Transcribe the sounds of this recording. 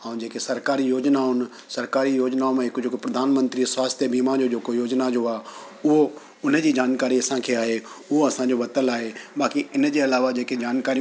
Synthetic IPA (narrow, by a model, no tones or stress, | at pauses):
ə̃ũd͡ʑeːkesɐɾkaːɾijoːd͡ʑnaʊn̆ | sɐɾkaːɾijoːd͡ʑnaːomẽɦɪkʊd͡ʑʱokpɾɐd̪ʱaːnmə̃nt̪ɾisʋaːst̪ʰjəbiːmad͡ʑod͡ʑeːkojoːd͡ʑnad͡ʑoaː | ʊɦo | ʊnəd͡ʑiːd͡ʑaːnkaːɾiɐsãkʰeaːɦeʊɦoɐsãɲd͡ʑoʋɐt̪əlaːɦebaːkiɪnd͡ʑeɐlaːʋad͡ʑeːked͡ʑaːnkaːɾi